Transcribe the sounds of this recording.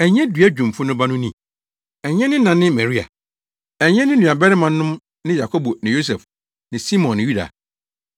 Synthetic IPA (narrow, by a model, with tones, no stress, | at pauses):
ɛ˨ɲɛ̃˦dɥæ˦d͡ʑᶣũ˨mfʊ˦nʊ̃˦ba˦nʊ̃˦nĩ˦ | ɛ˨ɲɛ̃˦nɪ̃˦nã˨nɪ̃˦mɛ˨ɾi˦a̰˨ | ɛ˨ɲɛ̃˦nɪ̃˦nũ˨a˨bɛ˦ɾɪ˦mã˨nːʊ̃˦m | nɪ̃˦ja˨kʰo˦bo˨nɪ̃˨jo˦s̬ɛ˨f | nɪ̃˨si˦mɔ̃˨nːɪ̃˨ju˦da̰˨